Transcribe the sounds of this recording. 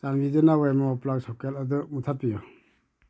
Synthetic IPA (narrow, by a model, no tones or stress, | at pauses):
sanbidɯnawajmaɔplak̚sɔkeladɯmutʰapijɔ